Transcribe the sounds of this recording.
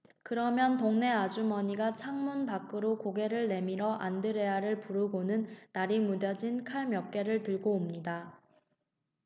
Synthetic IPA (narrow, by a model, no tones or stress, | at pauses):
kɯɾʌmjʌntoŋne̞ad͡ʑumʌɲiɡat͡ɕʰaŋmunpak͈ɯɾokoɡe̞ɾɯɭne̞miɾʌʔandɯɾe̞aɾɯɭpuɾɯɡonɯnːaɾimudjʌd͡ʑinkʰaɭmjʌk͈̚e̞ɾɯɭtɯɭɡoːmɲida